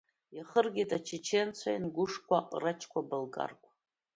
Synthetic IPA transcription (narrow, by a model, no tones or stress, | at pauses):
jaχərɡʲitʼat͡ʃʰet͡ʃʰent͡sʷʰajinɡʷʊʂkʷʰaʔʼrat͡ʃʰkʷʰabalɡʼa̰rkʷʼ